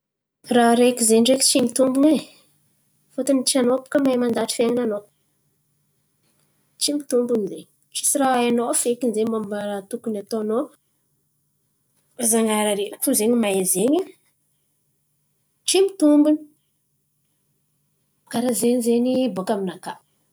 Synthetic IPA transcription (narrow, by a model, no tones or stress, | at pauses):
raɾekizenɖ͡ʐeki̥t͡ʃimit̪umbune | fot̪anit͡ʃianopu̥kəmajmand̪aʈ͡ʂi̥feŋanano | t͡ʃimit̪umbunizeɲ | ʈ͡ʂi̥siraaanofekinzeɲmambaɾat̪ukunat̪oano | azaŋaɾaɾeɾakfuzeɲimaezeɲa | ʈ͡ʂimit̪umbuni̥ | kaɾazeɲizeɲibokaminakḁ